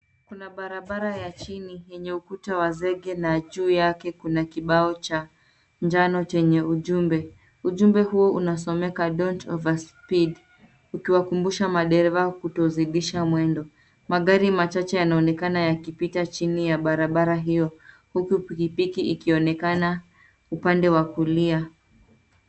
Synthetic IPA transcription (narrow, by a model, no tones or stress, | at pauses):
kunaɓaɾaɓaɾajat͡ʃinijɛɲɛukutawazɛɠɛnaʄuːjakɛkunakiɓaɔt͡ʃa | ɲd͡ʒanɔt͡ʃɛɲɛuʄumbɛ | uʄumbɛhuɔunas̬ɔmɛkaɗɔntɔvaspiɗ | ukiwakumbuʃamaɗɛɾɛvakutɔziɗiʃamwɛndɔ | maɠaɾimat͡ʃat͡ʃɛjanaɔnɛkanajakipitat͡ʃinijaɓaɾaɓaɾaɦijɔ | hukupikipikiikiɔnɛkana | upandɛwakulia